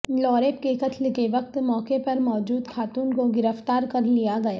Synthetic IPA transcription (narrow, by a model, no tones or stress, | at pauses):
lɔːɾeːp̚kekɐt̪ʰlkeʋɐk̚t̪mɔːkepɐɾmɔːd͡ʒuːd̪xaːt̪uːnkoɡɪɾəft̪aːɾkɐɾlijaɡɐjaː